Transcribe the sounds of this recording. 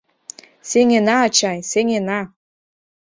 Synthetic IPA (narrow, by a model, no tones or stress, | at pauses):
seŋenɑːt͡ɕɑjseŋenɑ